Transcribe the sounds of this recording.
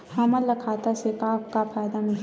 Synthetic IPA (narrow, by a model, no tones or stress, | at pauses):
haməlːɐkʰaːt̪asekaːpkapʰaːjd̪amɪn